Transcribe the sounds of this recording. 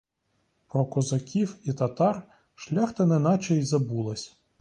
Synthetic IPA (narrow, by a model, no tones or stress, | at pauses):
pɾɔkɔzɐkʲiwit̪ɐt̪ɑr | ʃlʲaxt̪ɐnɛnɑt͡ʃɛjzɐbulˠɐsʲ